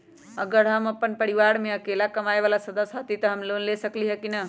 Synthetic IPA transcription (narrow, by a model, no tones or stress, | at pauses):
əɡəɾɦəməpːənpəɾiʋaɾmeəkelakəmaebalasəd̪əsɦət̪it̪əɦəmlonlesəkliɦəkinə